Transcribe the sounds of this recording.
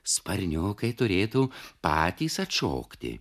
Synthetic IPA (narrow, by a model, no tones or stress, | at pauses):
spɐɾʲnʲʊkɐɪt̪ʊɾʲeːt̪uːpɑːt̪ʲiːsɐt̪ʃo̰ːkt̪ʲɪ̰